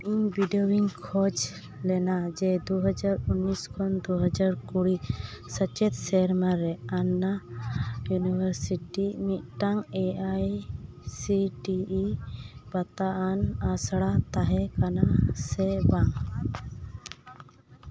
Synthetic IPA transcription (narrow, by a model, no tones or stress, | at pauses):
iɲbiɖɔwiŋkʰɔd͡ʒ | lɛnad͡ʒɛd̪uɦəd͡ʒaɾunːiskʰɔnd̪uɦəd͡ʒaɾkuɽisət͡ʃɛt̪sɛɾmaɾɛanːa | junibʱəɾsiʈimit̪̚ˀʈaŋeaj | siɖiibat̪aʔanasɽat̪aɦɛkanasɛbaŋ